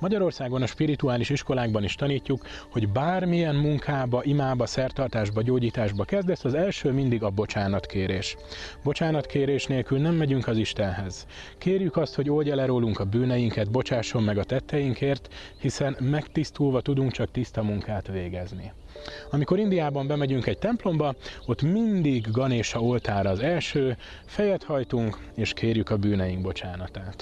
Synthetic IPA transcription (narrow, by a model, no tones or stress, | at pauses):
mɒɟɒɾo̞rsaːɡo̞nɒʃpiɾit̪uaːliʃiʃko̞laːɡbɒniʃt̪ɒniːcːukho̞ɟbaːrmijɛnmuŋkʰaːbɒʔimaːbɒsɛrt̪ɒrt̪aːʒbɒɟoːɟiːt̪aːʒbɒkɛzd̪ɛsɒzɛlʃøːmind̪iɡɒbo̞t͡ʃaːnɒt̪kʰeːɾeːʃ | bo̞t͡ʃaːnɒt̪kʰeːɾeːʃneːlkylnɛmːɛɟyŋkɒziʃt̪ɛnɦɛz̥ | keːrjykɒst̪ho̞ɟoːlɟɛlɛɾoːluŋkɒbyːnɛjiŋkɛd̪bo̞t͡ʃaːʃo̞mːɛɡɒt̪ɛt̪ːɛjiŋkeːrt̪ | hisɛnmɛkt̪ist̪uːlvɒt̪ud̪uŋkt͡ʃɒkt̪ist̪ɒmuŋkaːt̪ʋeːɡɛzni | ɒmiko̞ɾind̪ijaːbɒmbɛmɛɟyŋkɛɟ̚t̪ɛmplo̞mbɒo̞t̪ːmind̪iɡːɒneːʃɒo̞lt̪aːɾɒːzɛlʃøː | fɛjɛt̪hɒjt̪uŋk | eːʃkʰeːrjykɒbyːnɛjiŋɡbo̞t͡ʃaːnɒt̪aːt̪